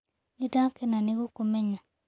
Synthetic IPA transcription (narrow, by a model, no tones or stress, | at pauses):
idãkenaniɡukumɛɲa